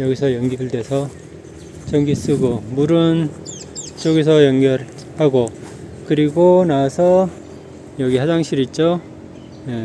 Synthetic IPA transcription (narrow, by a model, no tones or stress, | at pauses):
jʌɡisʰʌjʌŋɡiɡɯɭdwe̞sʰʌ | t͡ɕʌŋɡis͈ɯɡomuɾɯn | t͡ɕoɡes̬ʰʌjʌŋɡjʌɾ | haɡo | kɯɾiɡonasʰʌ | jʌɡihad͡ʑaŋɕʰiɾit̚t͡ɕ͈o | je̞